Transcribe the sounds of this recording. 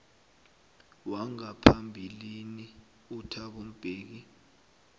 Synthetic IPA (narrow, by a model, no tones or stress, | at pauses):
waŋapʰambʱilini | utʰak̬um̩b̥ʱeːk̬i